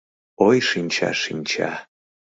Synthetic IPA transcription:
ojʃinʲt͡ɕʰa̰ʃinʲt͡ɕʰa̰

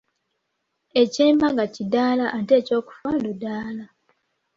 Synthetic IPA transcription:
e̞ceːmbaɡacidaːlaʔːnte̞ːco̞ːku̥fadudaːla

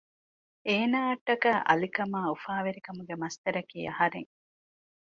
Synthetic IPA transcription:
eːnaːɐʈːɐkaːʔɐ̰likɐmaːufaːʋeɾikɐmuɡemɐst̪ɐɾɐkiːɐhɐɾḛŋ

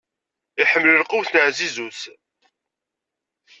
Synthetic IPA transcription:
iħəmːləlqʊwθnəʕzizuθ

